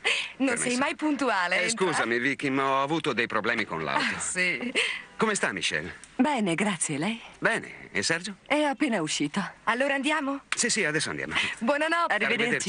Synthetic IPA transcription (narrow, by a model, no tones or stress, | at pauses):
nõnsɛjmajpunt̪uaːleskuːzamivik̟imaɔavuːt̪od̪ejpɾoblɛːmiko̰nla̰w̪sikomest̪amḭʃɛ̰lbɛːneɡɾat̪sːjelɛjbɛːnḛsɛrd͡ʒoɛɔapːeːnauʃːiːt̪oalːoːɾaːnd̪jaːmosisiad̪ɛsːoand̪ja̰mobwɔnanɔarːiɾved̪eɾd̪ɾt͡ʃ